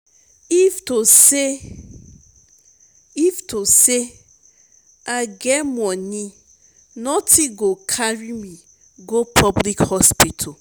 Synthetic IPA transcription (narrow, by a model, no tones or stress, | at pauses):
iftose | iftose | aɡɛmɔnĩ | nɔtʰĩɡokʰaɹimĩ | ɡopʰɔblikhɔspitʰa